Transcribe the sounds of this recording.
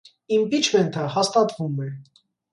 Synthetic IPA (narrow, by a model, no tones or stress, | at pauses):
impit͡ʃʰvɛnt̪ʰəhɑst̪ɑt̪vumɛ